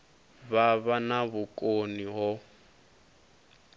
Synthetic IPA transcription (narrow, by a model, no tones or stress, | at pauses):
βaβanaβʊkʼoniɦɔ